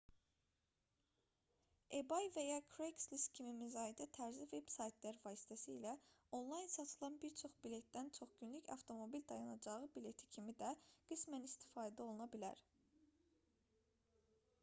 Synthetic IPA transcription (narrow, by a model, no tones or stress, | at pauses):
e̞bɑjvæjɑkʰɾejksliscʰimimizɑid̪æt̪ʰæɾzive̞bsɑjt̪ʰlæɾvɑːsi̥t̪ʰæsiːlæo̞nlˠɑjnsɑt̪ʰɯlˠɑnbiɾt͡ʃʰo̞χbile̞t̪d̪ænt͡ʃʰo̞χɟynlycɑ̰ft̪ʰo̞mo̞bild̪ɑjɑnɑd͡ʒɑʁɯbile̞t̪ʰi̥cʰimid̪æɡ̥ɯsmænist̪ʰi̥fɑːd̪æo̞lˠunɑbilæ̰ɾ